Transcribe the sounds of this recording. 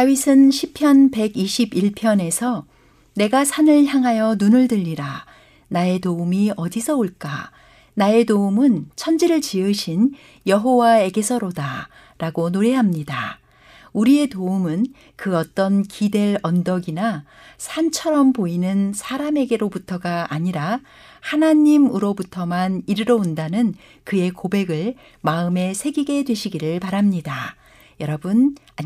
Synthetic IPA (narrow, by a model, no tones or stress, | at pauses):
sawisʰɯnɕʰipʰjʌnpe̞ɡiɕʰibiɭpʰjʌne̞sʰʌ | ne̞ɡasʰanɯɭçjaŋɦajʌnunɯɭdɯʎːiɾa | nae̞toumiʌdisʰʌoɭk͈a̰ | nae̞doumɯnt͡ɕʰʌnd͡ʑiɾɯɭt͡ɕiɯɕʰin | jʌɦowae̞ɡe̞sʰʌɾoda | ɾaɡonoɾe̞ɦamɲida̰ | uɾie̞toumɯn | kɯʌt͈ʌnkide̞ɾʌndʌɡina | sʰant͡ɕʰʌɾʌmpoinɯnsʰaɾame̞ɡe̞ɾobutʰʌɡaːɲiɾa | hanaɲimuɾobutʰʌmaniɾɯɾʌundanɯn | kɯe̞kobe̞ɡɯɭ | maɯme̞sʰe̞ɡiɡe̞dwe̞ɕʰiɡiɾɯɭpaɾamɲida | jʌɾʌbuna